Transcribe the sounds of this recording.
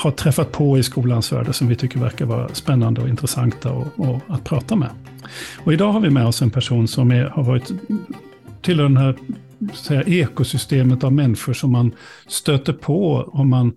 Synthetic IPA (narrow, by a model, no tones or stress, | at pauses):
haʈʰɾɛfːat̪̚pʰɔɪskuːlansvæ̰ːɖəsɔmvɪt̪ʰʏkːəɾvæ̰ɾkaɾvɑ̰ːɾa̰spɛnːand̪əɔɪnt̪ɾəsaŋt̪ʰaɔ̰ɔat̪̚pʰɾɑːt̪amɛ̰ | ɔɪd̪ɑːɦaɾvɪmɛːɔsɛnpʰæʂuːnsɔmɛhaɾvɑːɾɪt̪ | t̪ʰɪlːmɛd̪ɛnhæːɾ | t̪sɛjːaʔeːkʊsʏst̪eːmət̪avmɛnːɪɧʊʂɔmːan | st̪øːt̪əɾpʰɔɔmːan